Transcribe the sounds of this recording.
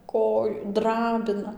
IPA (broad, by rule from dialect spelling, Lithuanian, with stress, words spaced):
ˈkoːj ˈdrɑːbʲɪnɐ